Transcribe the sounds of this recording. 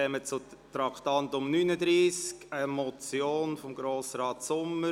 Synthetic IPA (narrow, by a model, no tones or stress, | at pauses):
ɛmət͡sʊtɾɑktɑntʊmnynədɾiːskəmɔt͡sjoːnfɔmɡɾoːsɾɑːtsʊmə